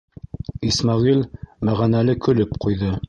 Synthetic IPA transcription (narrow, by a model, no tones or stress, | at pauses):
ismɑʁilmæʁænælɘkɵ̆lɵpqujðɤ